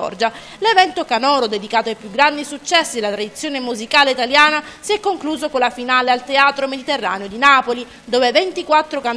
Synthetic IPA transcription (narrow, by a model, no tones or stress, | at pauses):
ɔ̰rd͡ʒa | levɛnt̪okanɔːɾod̪ed̪ikaːt̪oajpjuɡːɾand̪isut͡ʃːɛsːid̪elːat̪ɾad̪it̪sːjoːnemuzikaːleit̪aljaːnasiɛkːoŋkluːzokonlafinaːlealt̪eaːt̪ɾomed̪it̪erːa̰ːneod̪inaːpoli | d̪oːvevent̪ikwat̪ːɾokan